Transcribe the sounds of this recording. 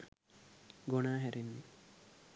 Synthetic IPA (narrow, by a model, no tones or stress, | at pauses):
ɡonaːɦæɾenːi